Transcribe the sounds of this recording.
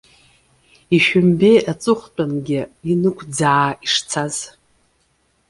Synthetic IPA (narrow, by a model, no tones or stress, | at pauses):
iʃᶣʊmbe̞jʔat͡sʼɨχʷt͡pʼanɡʲɪinɨkʷʰd͡zaːiʂt͡sʰaz̥